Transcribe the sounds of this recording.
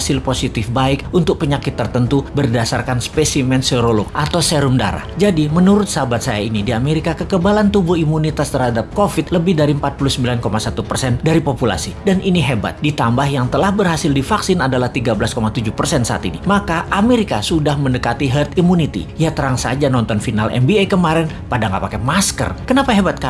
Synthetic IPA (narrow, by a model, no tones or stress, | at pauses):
sɪlposit̪ɪfbaɪkunt̪ʊk̚pəɲakɪt̪ːərt̪ənt̪ubərdasarkanspɛsimɛnseɾolok̚ʔat̪awseɾumda̰ɾa̰d͡ʒadimənuɾʊt̪saabat̪̚sajainidiameɾikakəkəbalant̪ubuhimunit̪ast̪ərhadap̚kofɪt̪̚ləbɪhdaɾiəmpat̪̚pulusəmbilankomasat̪upərsɛndaɾipopula̰sidanʔiniɦeba̰t̪̚dit̪ambahjaŋt̪əlahbərɦasɪldifaksɪnadalaht̪iɡabəlaskomat̪ud͡ʒuhpərsɛnsa̰t̪ḭnimakaʔameɾika̰sudahməndəkat̪iɦərt̪imunit̪ḭjat̪əɾaŋsa̰d͡ʒanɔnt̪ɔnfinalʔɛ̰mbiakəmaɾɛn | padaŋɡapakɛmaskə̰rkənapaɦebat̪̚ka